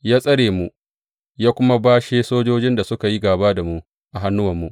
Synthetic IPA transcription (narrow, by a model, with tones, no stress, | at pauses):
jaː˦sʼɐ˦ɽeː˨mu˦ | jaː˦kʷʊ˦ma˦baː˦ʃeː˦soː˦d͡ʒoː˦d͡ʒɪ˦nda˨sʊ˦ka˨ji˦ɡaː˨baː˦da˨mu˦ʔ | ʔa˨ɦa˦nːʊ˦wɐ˨mːu˦˨ʔ